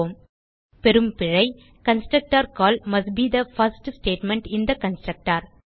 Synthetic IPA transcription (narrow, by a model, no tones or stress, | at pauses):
m | pɛɾɯmpɪɻɐɪ | kɐ̃nsʈɾɐk̚ʈaːɾkɔːlmɐsʈbiːd̪ɐfɐɾsʈsʈeːʈmɛ̃ɳʈɪ̃nd̪ɐkɐ̃nsʈɾɐk̚ʈaːɾ